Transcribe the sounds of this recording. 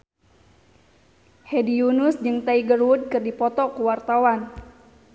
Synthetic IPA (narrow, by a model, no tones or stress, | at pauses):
hedijunusd͡ʒɨŋt̪aiɡərwud̚kɨrdipɔt̪ɔkuwart̪awan